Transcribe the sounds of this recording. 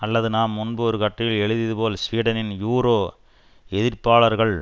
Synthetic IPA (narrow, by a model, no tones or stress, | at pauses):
ɐlːɐðɯnaːmːʊnbɯɔɾɯkɐʈːɪjɪlɛɻɯðɪðɯpoːlsʋiːɽɐnɪnjuːɾoː | ɛðɪɾpaːɭɐɾɣɐɭ